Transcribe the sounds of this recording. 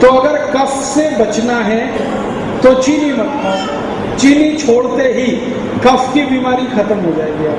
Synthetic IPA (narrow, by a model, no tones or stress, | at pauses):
t̪oɐɡəɾkɐfsebɐt͡ʃnaɦɛ | t̪ot͡ʃiːnibɐ | t͡ʃiːnit͡ʃʰoːɽt̪eɦi | kɐfkibiːmaːɾixɐt̪əmɦod͡ʒaːeɡɐaː